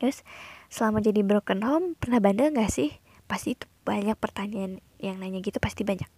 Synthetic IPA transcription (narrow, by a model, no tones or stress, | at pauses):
t̪ɾʊssəlamad͡ʒadibɾokənɦɔmpərnahbandəŋɡaʔsɪh | past̪iːt̪u | b̥aɲak̚pərt̪aɲian | jaŋnaiɲaɡit̪upast̪ibaɲak̚